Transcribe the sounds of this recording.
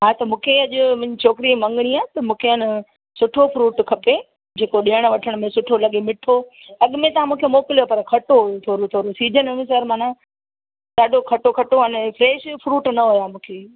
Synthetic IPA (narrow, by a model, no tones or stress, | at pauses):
ɦaːt̪ɐmũːkʰeɐʄʊ̆mʊ̃ɦɲd͡ʑit͡ɕʰoːkɪɾimɐ̃ŋɡɽ̃iaːt̪ɐmũːkʰeɪn | sʊʈʰofɾuːʈkʰɐpe | d͡ʑeːkoɗiəɽ̃ə̆ʋɐʈʰəɽ̃mẽsʊʈʰolɐɠemɪʈʰo | ɐɠʊmẽt̪ɐ̤ãmũːkʰemoːkɪljopɐɾkʰɐʈoɦujot̪ʰoːɾot̪ʰoːɾosiːd͡ʑʱənʋẽsɐɾmaːna | ɗ̪aːɗʱokʰɐʈokʰɐʈoɐnfɾeːʃfɾuːʈnɐɦujaːmũːkʰeː